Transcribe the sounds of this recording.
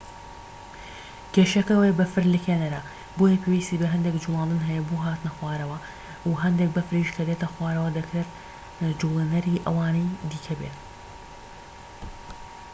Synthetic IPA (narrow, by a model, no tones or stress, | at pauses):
keːʃɐkɐwebɐfɨɾlɨkʰenɐɾɐ | boːjɐpʰewiːst̪iːbɐɦɐnd̪ekd͡ʒumaːlˠd̪ɨnɦɛjɛbuɦaːt̪ɨnɐxwaːɾɐwɐ | uɦɐnd̪ek̚bɐfɾiːʃkʰɐd̪eːt̪ɐxwaːɾɐwɐd̪ɐkɾet̪ | d͡ʒulenɐɾiːʔɐ̰waːnɐjd̪iːkʰɐbeːt̪